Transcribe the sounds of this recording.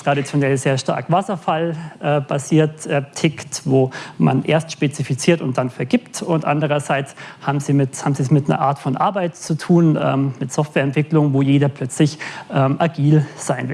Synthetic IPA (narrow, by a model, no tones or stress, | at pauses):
tʁ̥aɾit͡sjonɛlzeːɐʃta̰ɐkv̥asɐfalʔɛːb̥aziːɐtʔɛtʰɪktvoːma̰nʔḛːɐstʃpet͡sifit͡siːɐtʊnt̚d̥anfɛɐɡiːptʊntʔa̰ndəʁ̞ɐzaɪt͡shaːbm̩ziːmɪthaːbm̩ziːsmɪtnɐ̰ʔa̰ːɐtfɔnʔa̰ɐbaɪtt͡sutʰuːnʔɛ̰ːmmɪtz̥ɔftv̥ɛːɐɛntv̥ɪklʊŋənvoːjeːdɐpʰlœt͡slɪçʔɛːmʔaɡiːlz̥aɪnvɪl